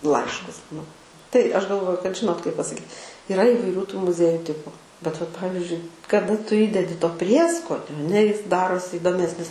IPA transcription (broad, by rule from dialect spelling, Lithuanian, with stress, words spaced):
ˈlˠɐɪʃkʊs nʊ tɐɪ ˈɐʃ ɡɐlˠˈʋoːjʊ kɐt ˈʒʲɪnoːt kɐɪp pɐsɐˈkʲiːt ɪˈrɐ iːʋɐɪˈrʲuː tuː mʊˈzʲiɛjʊ ˈtʲɪpʊ bʲɛt ʋɐt ˈpɑːʋʲɪzʲd͡ʒʲʊɪ kɐˈdɐ ˈtʊ ˈiːdʲɛdʲɪ toː ˈpʲrʲiɛskoːnʲoː ɐˈnʲɛ ˈjɪs ˈdɑːroːsʲɪ iːdoːˈmʲæːsʲnʲɪs